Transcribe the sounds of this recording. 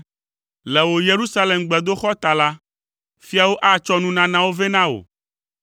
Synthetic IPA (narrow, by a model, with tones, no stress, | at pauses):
lɛ˨wo˨je˨ɾu˦sa˦le˨mɡ͡bɛ˨d̪o˦xɔ˦t̪a˨la˦ | fi˦a˨wo˦ʔa˦t͡ʃɔ˦nũ˦nã˦nã˦wo˦ve˦nã˦o̰˨